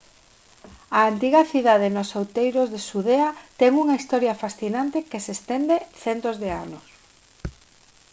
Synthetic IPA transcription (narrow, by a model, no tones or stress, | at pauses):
ɐːnt̪iɣɐθiðað̞ɪnosowt̪ejɾozðesuðeɐt̪ɛŋuŋɐist̪ɔɾjɐfasθinant̪ekesest̪end̪eθɛnt̪ozðea̰nos